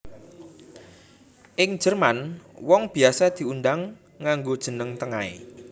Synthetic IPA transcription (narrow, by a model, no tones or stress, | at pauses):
ʔɪŋ̥ʒ̥ə̤rmanwɔŋb̥i̤asad̪̥i̤undaŋː | aŋɡod̥ʒ̥ə̤nəŋt̪əŋaḛ